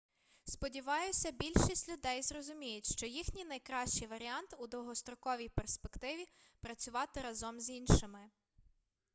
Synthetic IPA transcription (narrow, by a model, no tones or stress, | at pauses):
spɔdʲiʋɑjʊsʲɐbʲilʲʃisʲtʲlʲʊd̪ɛjzrɔzʊmʲijʊtʲʃt͡ʃɔjixnʲinɐjkɾɑʃt͡ʃijʋɐɾʲiɑnt̪ud̪ɔɦɔst̪ɾɔkɔʋʲijperspekt̪ɪʋʲipɾɐt͡sʲʊʋɑt̪ɪɾɐzɔmzinʃɪmɪ